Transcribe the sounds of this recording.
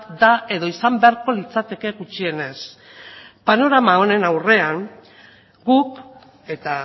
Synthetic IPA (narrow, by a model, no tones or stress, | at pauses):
d̪ae̞ðo̞isambe̞aɾko̞lit͡sat̪e̞ke̞ɣut͡ʃie̞ne̞s | pano̞ɾamao̞ne̞nawre̞aŋ | ɡuk | e̞t̪a